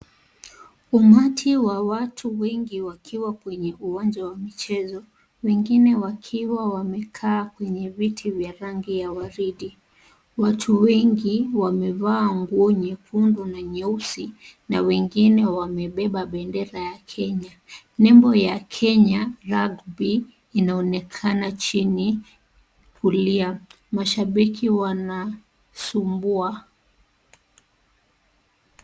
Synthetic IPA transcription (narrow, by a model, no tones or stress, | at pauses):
umatʰiwawatʰuwɛŋɡiwakʰiwakwɛɲɛʔuwaɲd͡ʒawamit͡ʃɛzɔ | wɛŋɡinɛwakʰiwawamɛkʰaːkwɛɲɛvitʰivjaɾaŋɡijawaɾiɗi | watʰuwɛŋɡiwamɛvaːŋɡuɔɲɛpundunaɲɛusinawɛŋɡinɛwamɛɓɛɓaɓɛndɛɾajakʰɛɲa | nɛmbɔjakʰɛɲaɾaɡbiː | naɔnɛkʰanat͡ʃini | kʰulia | maʃaɓikʰiwana | sumbua